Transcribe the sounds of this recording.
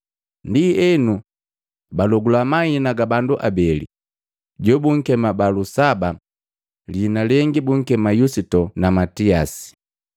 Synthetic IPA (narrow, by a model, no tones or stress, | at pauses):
ndiɛnu | balɔɡulamainaɡabanduʔabɛlḭ | ɟɔbuŋ̩kɛmabalusaba | linalɛŋɡibuŋ̩kɛmajusitɔnamatiasi̥